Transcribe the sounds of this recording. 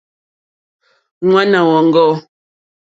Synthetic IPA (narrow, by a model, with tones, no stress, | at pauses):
ŋwa˦na˨wɔ˨ŋ̩˦ɡɔ˦